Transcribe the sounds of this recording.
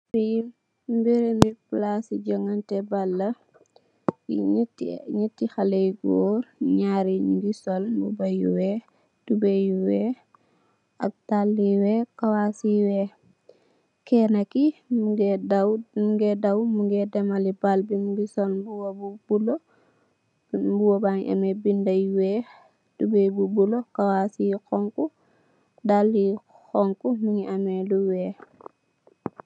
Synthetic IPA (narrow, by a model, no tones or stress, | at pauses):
ɾi | mbiɾemiplasid͡ʒɔŋantɛbalːɐ | itːɲətːixalejɡɔːɾɲaɾiɲuɡisɔlbubajuwɛ | d̥ubejuwɛ | ɐ̰k̚talːiwɛkawasiwɛ | kɛnakimɡdamuŋɡɛdawmuŋɡɛdɛmalibalbimuɡisɔnbuwobub̥ulo | buwobaŋʔa̰mɛbindajwɛː | d̥ubebubulokawasikɔŋku | dalːi | hɔŋkumiŋiʔamɛduwɛː